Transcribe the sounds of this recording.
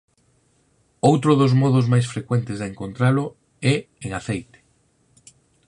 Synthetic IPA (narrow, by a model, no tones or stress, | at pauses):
owt̪ɾʊðozmɔðʊzmajsfɾekwɛnt̪ɪzðeŋkont̪ɾalʊ | ɛ | eŋaθejt̪e̥